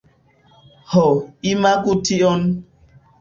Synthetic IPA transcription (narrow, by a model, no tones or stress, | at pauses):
hɔimakutʰiɔn